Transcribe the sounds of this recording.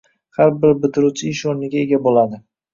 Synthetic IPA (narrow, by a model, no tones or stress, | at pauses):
haɾbɪɾbɪt̪ʰɪɾut͡ʃʰɪɪʃoɾnɪɡʲae̞ɡʲabolad̪ɪ